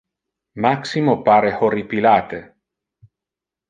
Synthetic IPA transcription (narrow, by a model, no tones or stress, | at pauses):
maksimopaːɾehoɾipilaːt̪e